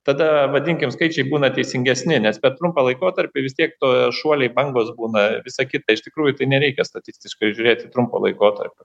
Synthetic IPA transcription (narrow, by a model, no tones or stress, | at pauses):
t̪ɐd̪ɐʋɐd̪ʲɪŋʲkʲɪmskɐɪt͡ʃʲɛɪbuːnɐt̪ʲɛɪsʲɪŋʲɡʲɛsʲnʲɪnʲɛspʲɛɾt̪ɾʊmpɐːlˠɐɪkoːt̪ɐɾʲpʲɪʋʲɪsʲt̪ʲiɛk̚t̪oːjʃuɔlʲɛɪbɐŋɡoːsbuːnɐʋʲɪsɐkʲɪt̪ɐɪʃt̪ʲɪkɾuːjʊt̪ɐɪnʲɛɾʲɛɪkʲɛst̪ɐt̪ʲɪsʲt̪ʲɪʃkɐɪʒʲʊɾʲeːt̪ʲɪt̪ɾʊmpo̰lˠɐ̰ɪkoːt̪ɐ̰rʲpʲʊ